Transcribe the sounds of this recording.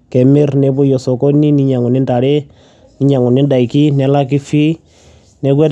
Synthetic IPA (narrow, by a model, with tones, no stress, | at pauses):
kɛ˨me˦ɾnɛ˦bu˦jɔ˨sɔ˨kɔ˦ni˦ni˦ɲa˨ŋu˨ni˦nta˨ɾe˦ | ni˨˦ɲa˨ŋu˨ni˦da˨i˨ki˦nɛ˨˦la˦ki˦fi˦ | nɛ˦ɡwɛ˦